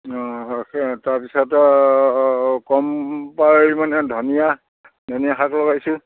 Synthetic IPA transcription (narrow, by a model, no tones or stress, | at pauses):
ɔ̃ | taɹpisɔtɔ | kɔmpaɹimanɛdʱɔnija | dʱɔnijaxaklɔɡajsʊ